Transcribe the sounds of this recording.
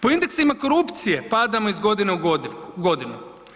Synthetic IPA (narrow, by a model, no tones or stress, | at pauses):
po̞ind̪e̞ksimako̞ɾupt̪sijepad̪amoizɡo̞d̪ineuɡɡo̞d̪inu